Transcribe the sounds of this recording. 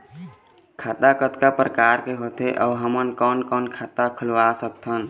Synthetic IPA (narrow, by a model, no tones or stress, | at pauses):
kʰat̪akət̪kapɾəkaɾkeɦot̪eʔəuɦəmənkɔnkɔnkʰat̪akʰəlʋasək̚t̪ʰən